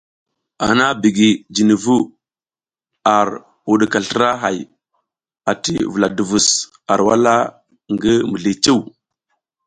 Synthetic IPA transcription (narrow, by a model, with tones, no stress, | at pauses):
a̰˨na˦bi˨ɡi˨d͡ʒi˨ni˨vu˦ | a˨ɾ | wu˨ɗi˨ka˨ɬə˦ɾa˦ɦa˨j | a˨tḭ˨vu˨la˨du˨vu˨s | a˨ɾwa˦la˦ | ŋɡi˦mu˨ɮi˨t͡ʃe˦˨w